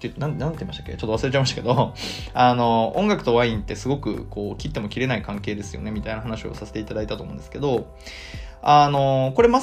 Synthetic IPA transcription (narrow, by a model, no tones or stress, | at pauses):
t̪ːeɯ̟t̪onãnãnt̪eimaɕt̪ḁkʲːet͡ɕot̪oasɨɾe̞t͡ɕaimaɕt̪ḁke̞d̪oano̞õ̞ŋɡakɯ̟t̪o̞βaĩnt̪ːe̞sɨɡo̞kɯ̟̰ko̞ːkʲit̪ːe̞mokʲiɾe̞naikãŋke̞ːd̪e̞sɨjo̰ne̞mʲit̪ainaɦanaɕio̰sase̞̥t̪eit̪ad̪ait̪at̪o̞mõ̰nd̪eske̞d̪o̞ | ano̞ko̞ɾe̞ma